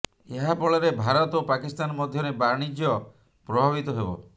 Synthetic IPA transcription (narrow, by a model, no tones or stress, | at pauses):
eɦapɔɭɔɾebʱaɾɔt̪opakist̪anɔmɔd̪ʱjɔɾebaɽ̃id͡ʒjɔ | pɾɔbʱaβit̪ɔɦebɔ̰